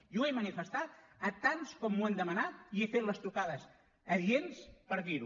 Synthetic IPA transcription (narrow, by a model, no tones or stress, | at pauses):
juemənifəst̪at̪̚ət̪anskɔmːuand̪əmənat̪̚iefet̪ləst̪ukaðəs | əðjenspəɾðiɾu